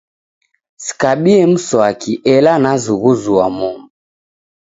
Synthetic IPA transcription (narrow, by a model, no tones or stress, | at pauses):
si̥kaɓiɛm̩sɔakʰiʔɛlanazuɣuzuwamɔmu